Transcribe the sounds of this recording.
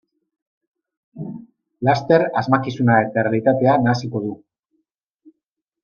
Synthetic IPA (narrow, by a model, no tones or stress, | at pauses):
last̪e̞ɾazmakisunae̞t̪aerealit̪at̪e̞anaːsiko̞ðu